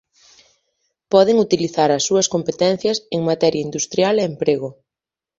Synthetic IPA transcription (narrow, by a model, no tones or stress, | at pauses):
pɔðeŋut̪iliθaɾɐsːuɐskompet̪ɛn̟θjɐseŋmat̪ɛɾjaind̪ust̪ɾjaleːmpɾeɣo